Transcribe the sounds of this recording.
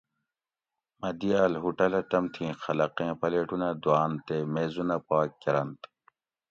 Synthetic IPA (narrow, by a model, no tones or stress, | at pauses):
mɐd̪iaːlɦuʈɐlɐt̪ɐmt̪ʰĩːxɐlɐqẽːpɐleːʈunɐd̪uaːnt̪emeːzunɐpaːkːɐɾɐnt̪